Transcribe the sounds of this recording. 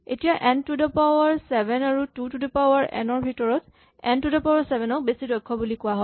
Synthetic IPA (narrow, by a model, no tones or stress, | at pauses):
etijaʔɛntudɔpawaɹsɛbɛnaɹututudɔpawaɹʔɛ̰nɔɹbʱitɔɹɔt | ɛntudɔpawaɹsɛbʱɛnɔk̚besidɔjkʰːɔbulikʊwaɦɔ